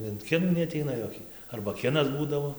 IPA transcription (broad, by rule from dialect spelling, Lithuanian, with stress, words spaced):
ɪn ˈkʲɪnuː nʲɛɐˈtʲɛɪnɐ ˈjoːkʲɪ ˈɐrbɐ ˈkʲɪnɐs ˈbuːdɐʋoː